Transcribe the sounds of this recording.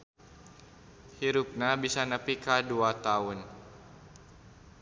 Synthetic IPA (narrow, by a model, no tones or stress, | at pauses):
hiɾup̚nabisanəpikaduat̪aʊn